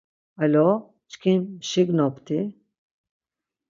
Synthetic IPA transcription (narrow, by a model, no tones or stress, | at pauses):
alɔ | t͡ʃkʰinʃiɡnɔpt̪ʰi